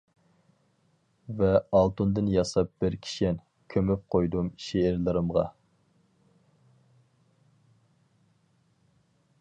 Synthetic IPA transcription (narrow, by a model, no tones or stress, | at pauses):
vɛɑlˠt̪und̪ɨnjɑsɑp̚b̥ɪɾkʲʰi̥ʃɛn | kʲʰømyp̚qʰojd̪umʃeɪɾlˠɨɾɨmʁɑ̰